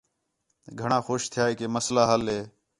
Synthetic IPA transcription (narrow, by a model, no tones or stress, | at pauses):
ɡʱəɳãːxoːʃt̪ʰɪjaːiːkeːməslaːɦəlɦeː